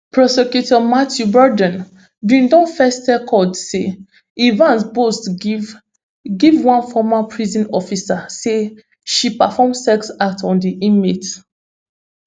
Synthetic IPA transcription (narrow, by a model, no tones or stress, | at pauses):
pɹɔsɛkjutɔmatʰjubɔdɛ̃n | bĩndɔ̃nfɛstɛkʰɔdse | ivãnsbost | ɡivwãnfɔmapʰɹizɔ̃nɔfisase | ʃipafɔmsɛksak̚tɔ̃ndiʔĩmet